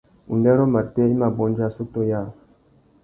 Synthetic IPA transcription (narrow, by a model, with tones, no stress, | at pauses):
ṵ˨ndɛ˦ɾo˦ma˨tɛ˦i˦ma˨bɔ˦nd͡ʒa˦so˦to˦ja˦˨